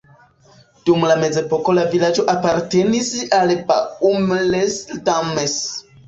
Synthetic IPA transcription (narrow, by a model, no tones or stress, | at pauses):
d̥umlame̞ze̞po̞ko̞lavilad͡ʒo̞ʔapaɾte̞nisalba̰umlesdames